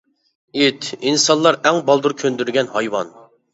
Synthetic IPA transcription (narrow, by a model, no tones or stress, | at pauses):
it̪ʰinsɑnlˠɑɾɛŋbɑlˠd̪uɾkʲʰønd̪yɾɡʲɛnhɑjwɑ̰n